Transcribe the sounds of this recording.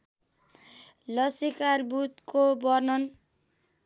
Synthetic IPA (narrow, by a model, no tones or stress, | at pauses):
lʌsikarbut̪kobʌrnʌn